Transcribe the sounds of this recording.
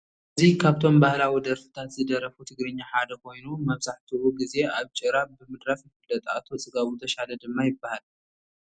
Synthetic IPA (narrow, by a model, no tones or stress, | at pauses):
ʔʔɨzikʰaβt̪ʰo̞mbahlawid̪ɐɾfɨ̥t̪ʰat̪zɨd̪ɐɾɐfut̪ʰɨɡɾɨɲːaħad̪ɐkʰo̞jnumɐβzaħt̪ʰiwuɡize̞ʔaβt͡ʃʼɨɾaβbɨmɨd̪ɾafjɪfɨlːɐt̪ʼa̰t̪ʰo̞t͡sʼɨɡaβut̪ʰɐʃalɐd̪ɨmːajɪbːahal